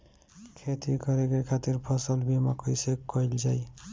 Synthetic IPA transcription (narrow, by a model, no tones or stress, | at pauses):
kʰet̪ikɔɾeɡekʰat̪iɾpʰɔsɔlbimakojsekːɔjld͡ʒaj